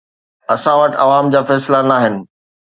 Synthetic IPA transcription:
ɐsãʋəʈɐʋaːmd͡ʑaːfɛːslanaːɦɪnɪ̆

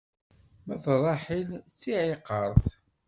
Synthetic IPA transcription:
mæθɾˤɑħilt͡sːiʕiqːəɾˤθ

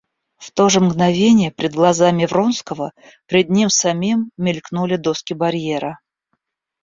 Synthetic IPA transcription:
ft̪o̞ʐɨmɡnɐvʲenʲɪjəpɾʲɪd̪̚ɡlˠɐzamʲɪvɾo̞nskəvə | pɾʲɪd̪̚ʲnʲimsɐmʲimːʲɪlʲknulʲɪd̪o̞skʲɪbɐɾʲjeɾə

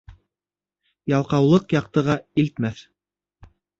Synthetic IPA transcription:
jɑlˠqɑwlˠɤqjɑq̚t̪ɤ̆ʁɑilt̪mæθ

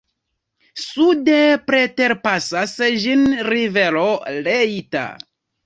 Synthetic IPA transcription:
sude̞pɾe̞te̞ɾpasasd͡ʒinɾive̞lolejta̰

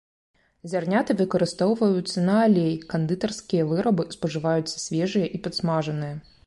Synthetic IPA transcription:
zʲarnʲat̪ɨvɨkɐɾɨst̪ɔwvɐjut̪sːɐnɐːlʲejkɐnd̪ɨt̪ɐrskʲijɐvɨɾɐbɨspɐʐɨvajut̪sːɐ̥sʲvʲɛʐɨjɐʔipɐt̪smaʐɐnɨjɛ

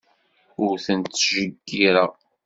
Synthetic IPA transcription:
ʊɾθənt̪ːʒəɡːiɾa

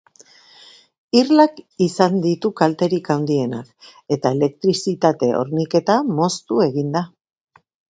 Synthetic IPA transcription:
irlakisand̪it̪ukalt̪e̞ɾikawnd̪ie̞na̰ke̞t̪ae̞le̞k̚t̪ɾisit̪at̪e̞ʔo̞̰ɾnike̞t̪amo̞st̪ue̞ɣind̪a

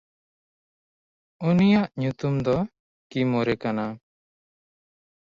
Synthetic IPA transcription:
unijaʔɲut̪umd̪ɔ | kimɔɾɛkana

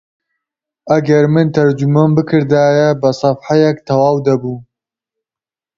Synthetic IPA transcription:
ʔɐɡɐɾmɨnt̪ʰɐɾd͡ʒumambɨkʰɨɾd̪aːjɛbɐsˤɑfħajɛkt̪ʰɐwaːwd̪ɐbuː

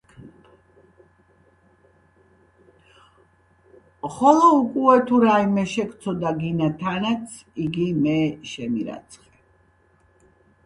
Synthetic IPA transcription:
χɔlɔukʼuɛt̪ʰuɾaimɛʃɛkʰt̪sʰɔd̪aɡinat̪ʰanat̪sʰ | iɡimɛʃɛmiɾa̰t̪sʰχɛ

